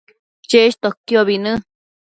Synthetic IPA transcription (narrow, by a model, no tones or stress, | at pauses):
t͡ʃeʃt̪okjoβinɨ̃